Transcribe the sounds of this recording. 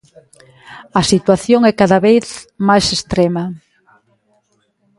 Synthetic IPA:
ɐsit̪waθjoŋɛkaðaβeθmajsest̪ɾemɐ

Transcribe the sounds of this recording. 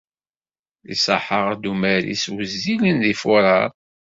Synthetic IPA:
ḭsə̰ħəʁd̪umæɾḭswəzːilənðifʊɾˤɑɾˤ

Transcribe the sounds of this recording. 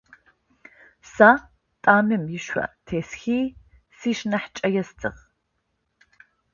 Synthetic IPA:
saː | tʼaːmɨmjɪʃʷɐ̰tʰeːsxiː | siːʃnɐħt͡ʃʼɐjɛstʰɨ̰ʁ

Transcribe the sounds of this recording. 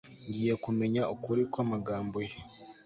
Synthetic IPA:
ɲɟiːje̞kume̞ɲaokuɾikwamaɡaːmboje

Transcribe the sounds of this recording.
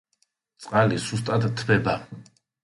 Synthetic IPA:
t̪sʼqʼalisust̪ʼad̪t̪ʰːbɛba

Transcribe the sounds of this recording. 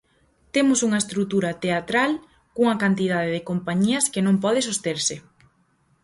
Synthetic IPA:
t̪emʊsuŋɐest̪ɾut̪uɾɐt̪eat̪ɾal | kuŋɐkant̪ið̞aðeðɪkompaɲiɐskɪnõmpɔð̞ɪs̬ost̪eɾsɪ

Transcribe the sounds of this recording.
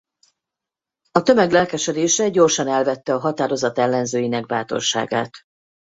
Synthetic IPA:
ɒt̪ø̞mɛɡlɛlkɛʃɛd̪eːʃɛɟo̞rʃɒnɛlvɛt̪ːɛɒɦɒt̪aːɾo̞zɒt̪ɛlːɛnzøːjinɛɡ̚baːt̪o̞̰rʃa̰ːɡa̰ːt̪

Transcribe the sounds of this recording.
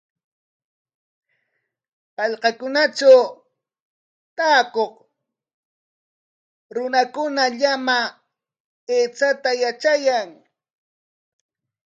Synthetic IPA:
pɑʎqɑkʊnat͡ʃaw | t̪aːkoχ | ɾʊnakʊnaʎama | eːt͡sat̪ajat͡ʃajaŋ

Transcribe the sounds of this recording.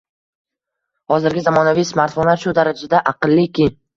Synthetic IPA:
hɒzɪɾɡʲɪzamɒnavijsmaɾt̪fonlaɾʃʊd̪aɾad͡ʒad̪aʔɑqɨlˠːɪkʰʲɪ

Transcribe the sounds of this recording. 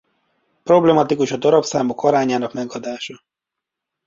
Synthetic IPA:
pro̞blɛmɒt̪ikuʃɒd̪ɒɾɒpsaːmokʰɒɾaːɲaːnɒkmɛɡɒd̪aːʃɒ

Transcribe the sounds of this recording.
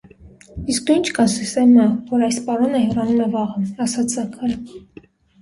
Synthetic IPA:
isk̚nuint͡ʃʰkʰɑnsist̪ɛmɑvɔɾɑjspɑɾɔnəhɛrɑnuməvɑʁəɑsɑt͡sʰɑkʰəɾ

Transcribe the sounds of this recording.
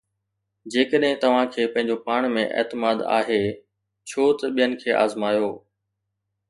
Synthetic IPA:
d͡ʑeːkəɗɦɪ̃t̪ɐʋ̤ãkʰeːpɐ̃ɦɪ̃ɲ̆d͡ʑopaːɽ̃mẽʔḛːt̪ɪmaːd̪a̰ːɦeː | t͡ɕʰoːt̪ɐɓijənɪ̆kʰeːʔa̰ːzmaːjoː

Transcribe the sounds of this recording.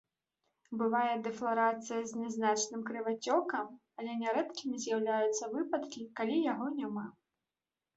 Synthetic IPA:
bɨvajɛd̪ɛflˠaɾat̪sɨjɐzʲnʲɛznat͡ʂnɨmkɾɨvat͡sʲɔkɐm | ɐlʲɛnʲɛɾɛt̪kʲimʲizʲjawlʲajut̪sːɐvɨpɐt̪kʲikalʲijaɣɔnʲama

